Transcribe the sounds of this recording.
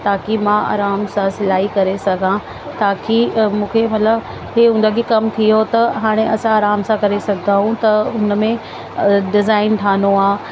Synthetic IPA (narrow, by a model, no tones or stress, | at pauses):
t̪aːkimãa̰ːɾaːmsãsɪlaːɦikɐɾesɐɡʱã | t̪aːkimũːkʰemɐt̪ləb | ɦeːɦũnd̪əɡikɐmt̪ʰiɦot̪ɐɦaːɽ̃ẽʔɐsãaːɾaːmsãkɐɾesɐɡʱd̪aːɦũt̪ɐʊnmẽ | ɖɪzaːɪnʈ̪ʰaːnoaː